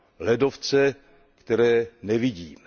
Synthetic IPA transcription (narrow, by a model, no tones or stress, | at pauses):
lɛdoft͡sɛ | kt̪ɛɾɛːnɛvɪɟiːm